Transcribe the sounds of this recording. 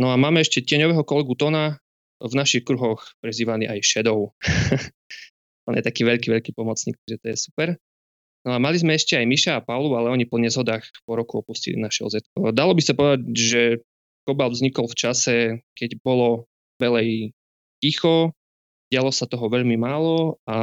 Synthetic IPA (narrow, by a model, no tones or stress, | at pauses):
nɔamaːmɛɛʃcɛcɪɛɲɔʋɛɦɔkɔlɛɡut̪ɔna | vnaʃixkɾuɦɔxpɾɛziːʋaliʔajʃɛd̪ɔʊ | t̪ɔ̰njɛ̰t̪akiːʋɛʎkiːʋɛʎkiːpɔmɔt͡sɲḭːkt̪aʒɛt̪ɔjɛsu̥pɛɾ | nɔamalizmɛɛʃcɛajmiʃaːpaʊlualɛɔɲipɔɲɛzɦɔd̪aːxpɔɾɔkuɔpuscḭlḭnaʃɛɔzɛt̪̚kɔd̪alɔbisapɔʋɛd̪acʒɛ | kɔbalvzɲikɔlft͡ʃasɛkɛɟbɔlɔ | ʋɛlɛj | cixɔ | ɟɪalɔsat̪ɔɦɔʋɛʎmimaːlɔa